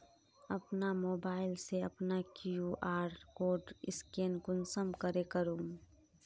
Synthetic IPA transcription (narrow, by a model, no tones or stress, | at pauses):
ɐpnamoːbaːɪlseɐpnakjuʔaːɾkoːɖɪskeːnkʊnsəmkəɾekəɾũː